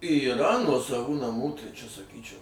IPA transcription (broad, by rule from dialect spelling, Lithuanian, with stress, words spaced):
iːˈrɐ nuɔsɐˈʋuː nɐˈmuː tɐɪ ˈt͡ʃʲɛ sɐˈkʲiːt͡ʃʲɛʊ